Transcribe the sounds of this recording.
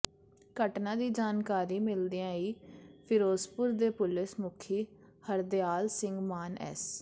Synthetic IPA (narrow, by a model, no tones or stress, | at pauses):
kəʈnãːd̪iːd͡ʒaːnkaːɾiːmɪld̪ijãːiːpʰɪɾoːspʊɾd̪eːpʊlɪsmʊkʰiː | həɾd̪ɪjaːlsɪ̃ŋɡmaːnɛ̰ːs